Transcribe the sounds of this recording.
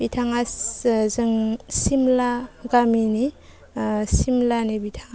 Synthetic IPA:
bitʰaŋazɯŋsimlaɡamini | simlanibitʰaŋa

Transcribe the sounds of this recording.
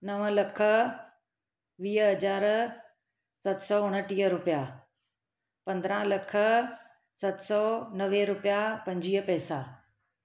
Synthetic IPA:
nɐʋəlɐkʰə̆ | ʋiːəɦɐd͡ʑaːɾ | sɐt̪sɔːʊ̃ɽ̃əʈiːəɾʊpija | pɐ̃nd̪əɾãlɐkʰə̆ | sɐt̪sɔːnɐʋeɾʊpjapɐ̃ɲd͡ʑiːəpɛːsaː

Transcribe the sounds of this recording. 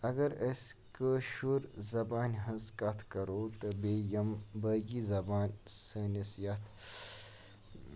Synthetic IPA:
ɐɡɐɾɐskəʃuɾzɐbaːnʲɦɐ̃zkɐt̪ʰkɐɾoːt̪ɨbeːjɐmbɐːɡizɐbaːnsəːnɐsjɐt̪ʰ

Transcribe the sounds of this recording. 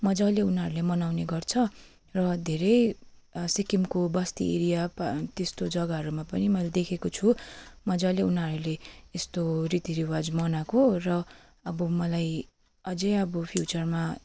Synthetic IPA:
mʌd͡zʌleunɦʌɾulemʌnawneɡʌrt͡sʰʌ | rʌd̪ʱeɾʌjsikimkobʌst̪ḭḛɾijapt̪est̪od͡zʌɡaɦʌɾumapʌnimʌlad̪ekʰekot͡sʰumʌd͡zʌleunɦʌɾuleest̪orit̪iɾiwad͡zmʌnakorʌ | ʌbʌmʌlaj | ʌd͡zejʌbʌpʰjut͡sʌrma

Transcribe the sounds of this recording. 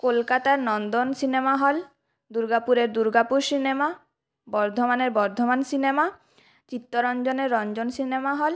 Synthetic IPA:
kolkat̪aɾnɔnd̪onsinemaɦɔl | d̪uɾɡapuɾeɾd̪uɾɡapuɾsinema | bɔɾd̪ʱomaneɾbɔɾd̪ʱomansinema | t͡ɕit̪ːoɾɔnd͡ʑoneɾːɔnd͡ʑonsinemaɦɔl

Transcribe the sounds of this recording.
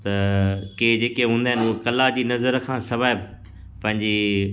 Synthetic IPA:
t̪ɐked͡ʑeːkeɦũːnd̪aːɦɪnukɐlad͡ʑiːnɐzəɾkʰãːsɐʋaːɪb | pɐ̃ɦɪ̃ɲd͡ʑi

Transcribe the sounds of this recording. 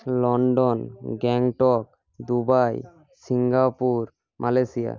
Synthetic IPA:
lɔɳɖɔnɡɛŋʈɔk | d̪ubaj | siŋɡapuɾ | mʔalasija̰

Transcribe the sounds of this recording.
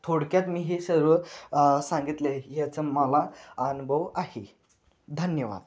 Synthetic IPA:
t̪ʰoɽkjat̪miːɦisəɾʋəsãŋɡit̪lejɛt͡səməlaənubʱəʋahi | d̪ʱənjəʋa̰d̪

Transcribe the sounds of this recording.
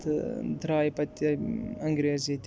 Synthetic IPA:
t̪d̪ɾaːjpɐt̪ʲːɐŋɡɾʲezʲit̪ʲ

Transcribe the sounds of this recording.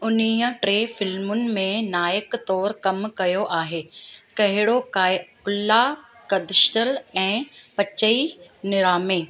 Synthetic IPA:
ʊnijə̃ʈɾeːfɪlmʊnɪ̆mẽnaːjɪkt̪ɔːɾkɐmkɐjoʔaːɦeːkɐɦɪɽoka | ʊlːa | kɐd̪ɪʃt̪əlɛ̃ːpɐt͡ɕəinɪɾaːmeː

